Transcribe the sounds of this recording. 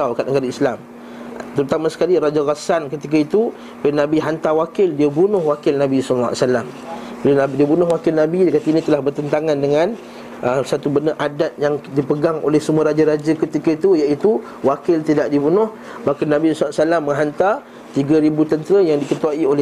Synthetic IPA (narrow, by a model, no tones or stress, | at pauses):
awkat̪̚nəɡaɾaislam | t̪əɾut̪amãsə̥kaliɾad͡ʒaɣasankət̪ik̬ait̪u | benãbiɦant̪awakɪldiəbunʊhwakɪlnãbisɔllaa̰salam | pənadiəbunʊhwakɪlnãbidkat̪ainĩt̪əlahbərt̪ənt̪aŋãndəŋãn | ʔəsat̪ubəndəʔadat̪̚jaŋdipəɡaŋo̰lɛhsəmuaɾad͡ʒaɾad͡ʒakət̪ikait̪ujaʔit̪u | wakɪlt̪idaʔdibunʊh | makanãbisɔlsalamːə̃ŋɦant̪a | t̪iɡəɾibut̪ənt̪əɾəjaŋdikət̪uaiolɛ